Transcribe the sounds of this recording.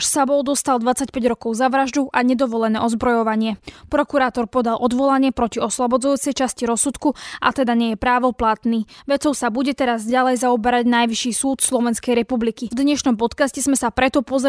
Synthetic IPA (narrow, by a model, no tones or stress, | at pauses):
ʃsabɔld̪ɔst̪ald̪ʋat͡sacpɛɟɾɔkɔʊzaʋɾaʒd̪uʔaɲɛd̪ɔʋɔlɛnɛːɔzbɾɔjɔʋaɲɪɛpɾɔkuɾaːt̪ɔɾpɔd̪alʔɔd̪ʋɔlaɲɪɛpɾɔciɔslɔbɔd͡zujuːt͡sɛjt͡ʃasciɾɔsut̪kuʔa̰t̪ɛd̪aɲɛjɛpɾaːʋɔplat̪niːʋɛt͡sɔʊsabuɟɛt̪ɛɾazɟalɛjzaubɛɾaɟnajʋiʃiːsuːt̪slɔʋɛnskɛjɾɛpublikivd̪ɲɛʃnɔmpɔt̪kascɛzmɛsapɾɛt̪ɔpɔzɾ